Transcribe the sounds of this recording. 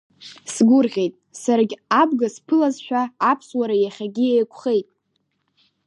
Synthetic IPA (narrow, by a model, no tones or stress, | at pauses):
sɡʷʊrʁʲe̞jtʼsaɾaɡʲab̚ɡaspʰɨlazʃᶣaːpʰswaɾajaχʲaɡʲiejkʷʰʼχe̞jtʼ